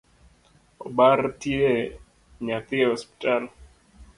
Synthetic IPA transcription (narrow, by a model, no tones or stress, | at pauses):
obartje | ɲat̪ɪhɔspi̥tal